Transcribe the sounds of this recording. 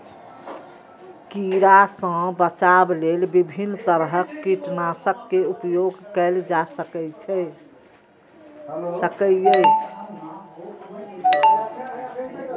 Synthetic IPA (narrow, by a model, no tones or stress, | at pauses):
kiɾasə̃bət͡ʃablelbibʱinːt̪əɾɦəkːiʈnasəkːeupjoɡkɛld͡ʒasəkɛt͡ʃʰɛ | səkɛje